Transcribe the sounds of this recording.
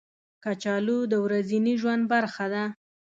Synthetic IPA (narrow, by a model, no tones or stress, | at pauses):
kat͡ʃɑlud̪əwɾaziniʒwand̪̚baɾxad̪a